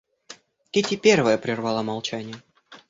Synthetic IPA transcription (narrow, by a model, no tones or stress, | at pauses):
kʲetʲɪpʲervəjəpɾʲɪrvɑlˠəmɐlˠt͡ɕænʲɪjə